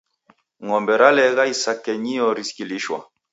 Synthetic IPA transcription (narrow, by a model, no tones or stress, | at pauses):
ŋɔmbɛɾalɛɣaisakɛɲiɔɾiskiliʃwa̰